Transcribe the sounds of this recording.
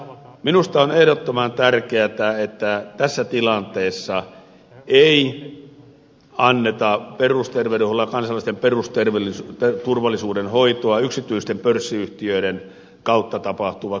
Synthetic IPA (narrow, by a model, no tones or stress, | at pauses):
minust̪ɑonehɾot̪ːomɑnt̪ærkeæt̪æet̪ːæt̪æsːæt̪ilɑnt̪eːsːɑ | ei | ɑnːet̪ɑperust̪erʋeuholːɑkɑnsɑlːˑist̪emperust̪erʋelist̪et̪urʋɑlːˑisuːdenhoit̪oɑyksit̪ˑyist̪empørsːiyht̪iøiɾen | kɑut̪ːɑt̪ɑpɑht̪uʋɑ